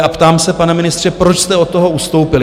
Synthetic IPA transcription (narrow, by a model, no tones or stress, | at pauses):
apt̪aːmsɛpanɛmɪnɪst̪r̝̥ɛpɾo̞t͡ʃst̪ɛo̞t̪ːoɦo̞ust̪o̞wpɪlɪ